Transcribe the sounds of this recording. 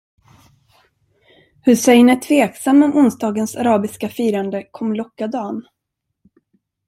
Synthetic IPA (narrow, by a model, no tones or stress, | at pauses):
hɵsɛjnət̪ʰv̥eːksamːɔmʊnsd̪ɑːɡənsaɾɑːbɪskafiːɾand̪əkʰɔmːlɔkːad̪ɑːn